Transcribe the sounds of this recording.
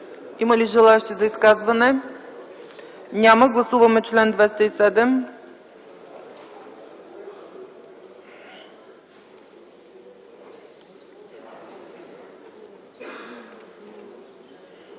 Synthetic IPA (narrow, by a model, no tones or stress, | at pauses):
iməliʒɛlˠaɛʃt̪izɐiskazvɐnɛ | nʲaməɡlˠɐsuvɐmɛt͡ʃlɛnd̪vɛst̪ɐisɛd̪ɛm